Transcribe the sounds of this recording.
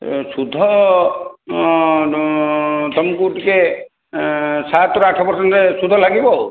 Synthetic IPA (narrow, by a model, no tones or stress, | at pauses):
sud̪ʱɔ | t̪ɔmkuʈike | sat̪ɔɾakʰapɔɾsɔnt̪esud̪ʱɔlaɡibɔ